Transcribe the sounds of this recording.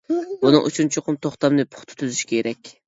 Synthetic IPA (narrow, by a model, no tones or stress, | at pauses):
bunɨ̰ŋʔṵt͡ʃʰunt͡ʃʰoqʊmt̪ʰoχt̪ɑmnɨpʰʊ̥χt̪ʰʊ̥t̪ʰyzyʃi̥kʲʰeɾɛkʲ